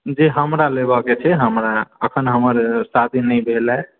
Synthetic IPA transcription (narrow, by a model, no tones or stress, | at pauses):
d͡ʒeɦəmɾalebəket͡ʃʰɛɦəmɾaəkʰənɦəməɾsad̪ʱinəjbʱelɛ